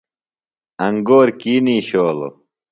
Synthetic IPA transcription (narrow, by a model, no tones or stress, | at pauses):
ɐŋɡoːɾkiːniːɕoːlo̰